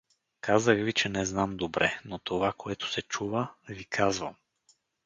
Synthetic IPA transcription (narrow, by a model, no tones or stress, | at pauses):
kazəɣvit͡ʃɛnɛznamd̪obɾʔɛnot̪ovakoɛt̪ʊ̥sɛt͡ʃuvəvikʰazvəm